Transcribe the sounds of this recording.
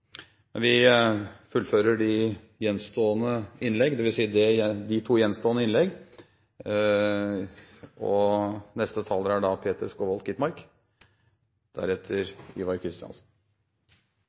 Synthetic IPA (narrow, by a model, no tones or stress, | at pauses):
mɛnʋɪ | fʉlføːɾəɖɪ | jɛnst̪oːənəɪnlɛɡd̪ɛʋɪlsiːəd̪ɛɛd̪ɪt̪ʰuːjɛnst̪oːənəɪnlɛɡ | ɔnɛst̪ət̪ʰɑləɾæɖɑpʰeːt̪ʰəɾskoːʋɔlt̪kɪt̪mɑɾk | d̪̥æ̰ɾɛt̪ʰəɾiːʋɑɾkʰɾɪst̪ɪɑ̰nsn̩